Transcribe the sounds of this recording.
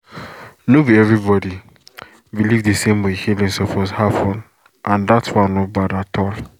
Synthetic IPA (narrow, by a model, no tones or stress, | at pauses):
noviɛvɹibɔdi | bilivdesẽmwehilĩnsofɔzhafɔ̃n | ʔãndatwãnɔbadatʰɔl